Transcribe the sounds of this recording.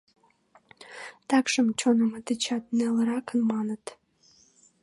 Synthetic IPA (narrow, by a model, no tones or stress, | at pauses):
t̪ɑkʃəmt͡ɕonəmət̪ət͡ɕɑt̪̚neləɾɑkənmɑnət̪